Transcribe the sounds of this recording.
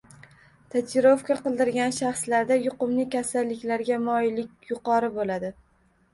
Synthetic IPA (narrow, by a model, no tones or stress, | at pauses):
t̪ʰat͡ʃɪɾofkʰʲaqɨlˠd̪ɪɾɡʲanʃaχslaɾd̪ajʊqɨmnɪkʲasalːɪkʲlaɾɡʲamɒjlɪkʲjʊqɒɾɪbolad̪ɪ